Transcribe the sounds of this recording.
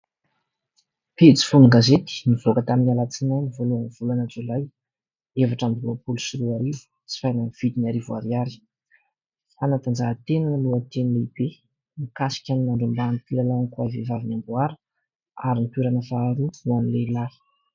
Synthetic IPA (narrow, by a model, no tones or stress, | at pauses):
pet͡si̥funuŋɡazet̪i̥nivokət̪aminalat͡sinajnivoluaniv̥ulanat͡sulaj | evaʈ͡ʂamluapulusiɾuaɾivu̥ | t͡si̥fajnaniv̥id̪inaɾivua̰ɾiaɾi̥ | fanat̪and͡zat̪enanaluat̪enileib̥e | nikasi̥kʲaninaɳɖ͡ʐumbant̪ilalankuavevavinambuaɾə̥ | aɾinipuɾanəfaːɾuuanilelḁ